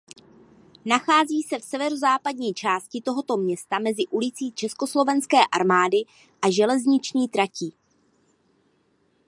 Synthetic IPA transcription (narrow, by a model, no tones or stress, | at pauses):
naxaːziːsɛfsɛvɛɾozaːpad̚ɲiːt͡ʃaːscɪt̪o̞ɦo̞t̪o̞mɲɛst̪amɛzɪʔulɪt͡siːt͡ʃɛsko̞slo̞vɛnskɛːʔaɾmaːdɪ | ʔaʒɛlɛzɲɪt͡ʃɲiːt̪ɾaciː